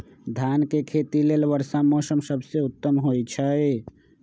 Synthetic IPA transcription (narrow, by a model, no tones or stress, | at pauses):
d̪ʱankekʰet̪ilelbəɾsamɔsəmsəbʱseut̪ːəmɦojt͡ʃʰəe